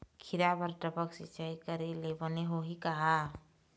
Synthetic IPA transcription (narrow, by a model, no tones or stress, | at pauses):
kʰiɾabəɾʈ̪əbəksɪt͡ʃaikəɾelebɔneɦoɦikɐɦa